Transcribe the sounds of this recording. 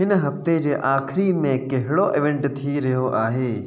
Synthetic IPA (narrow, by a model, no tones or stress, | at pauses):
ɪnɦɐft̪ẽd͡ʒeʔaːkʰɾimẽkeɦɽoʔɪʋẽɳʈt̪ʰiɾɐɦoʔaːɦeː